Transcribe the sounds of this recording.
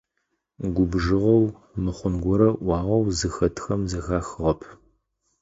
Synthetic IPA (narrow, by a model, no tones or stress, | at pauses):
ɡʷʊbʒɨʁɐw | mɨχʷʊnɡʷɔɾɐʔʷɑːʁɐwzɨxɐtʰxɐmzɐxaːxɨʁɐpʰ